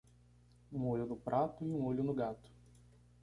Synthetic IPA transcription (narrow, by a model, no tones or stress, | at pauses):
ũoʎʊnʊpɾʔat̪ʊiũoʎʊnʊɡat̪ʊ̥